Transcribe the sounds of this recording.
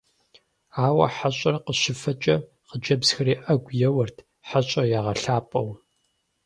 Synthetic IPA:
aːwɐ̰ħaɕʼɐrqəɕɪfɐt͡ʃʼɐ | qəd͡ʒɐbz̥xɐɾiːʔɐɡʷjɛwɐrtʰ | ħaɕʼɐjaːʁɐɬaːpʼɐw

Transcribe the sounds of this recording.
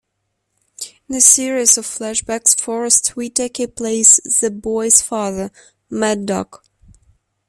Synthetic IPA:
ɪ̃nɨsɪɹizʌv̥flæʃb̥æksfɔɹɨstswitʰeɪkɨpʰl̥eɪsðɨbɔɪz̥fɑðə˞ | mæddɔ̰k

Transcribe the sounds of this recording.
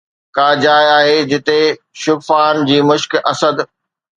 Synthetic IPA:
kaːd͡ʑaːjaːɦed͡ʑɪt̪e | ʃʊɡfaːnd͡ʑiːmʊʃkɐsəd̪

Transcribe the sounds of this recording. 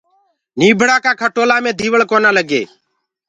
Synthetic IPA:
niːbʱəɽaːkaːkʰəʈoːlaːmẽːd̪ʱiːʋəɭkoːnaːləɡḛː

